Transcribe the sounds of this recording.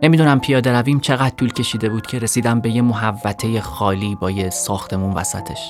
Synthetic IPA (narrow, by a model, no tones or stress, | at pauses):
ne̞mid̪unæmpʰijɒːd̪e̞ɾæviːmt͡ʃʰe̞ɣæd̪̚t̪uːlcʰʲe̞ʃiːd̪e̞buːd̪̥cʰe̞ɾe̞siːd̪æmbe̞je̞moɦævːæt̪ʰe̞je̞xɒːliːbɒːjesɒːxt̪ʰe̞muːnvæ̰sæ̰t̪ʰe̞ʃ